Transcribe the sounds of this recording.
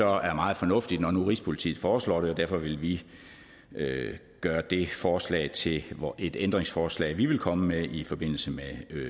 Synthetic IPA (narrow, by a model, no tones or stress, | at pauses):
sɒ̽æɐmɑ̈ːð̩ˠfɒ̽nɔ̽fd̥id̥nɒnuʁispʰo̝lit͡sʰḭːð̩ˠfɒːslɒ̰ːɾ̥e̝ɒ̽d̥æɐfɒ̽ʋe̝lʋi | ø | ɡ̥ɶːɐd̥e̝fɒːslɛ̰ɪt͡sʰe̝le̝d̥end̥ʁeŋsfɒːslɛ̰ːɪʋiʋe̝lkʰɒ̽məmeʔifɒ̽b̥e̝n̰l̩səme